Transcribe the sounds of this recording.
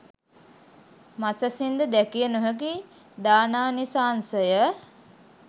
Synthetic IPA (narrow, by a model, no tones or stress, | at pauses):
masəsind̪əd̪ækijənoɦəki | d̪aːnaːnisaːnsəjə